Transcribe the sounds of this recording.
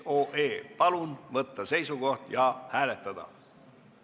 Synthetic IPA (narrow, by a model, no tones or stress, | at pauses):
oːʔeːpɑlunvɤt̪ːɑse̞jsuɡo̞ht̪jɑhæːlet̪ːˑɑd̪̥ɑ̰